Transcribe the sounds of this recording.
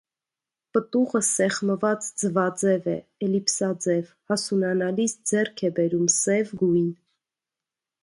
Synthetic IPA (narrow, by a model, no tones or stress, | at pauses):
pət̪uʁəsɛχməvɑt͡sd͡zəvɑd͡zɛvɛ̰ɛlipsɑd͡zɛv | hɑsunɑnɑlisd͡zɛrkʰɛbɛɾumsɛvɡujn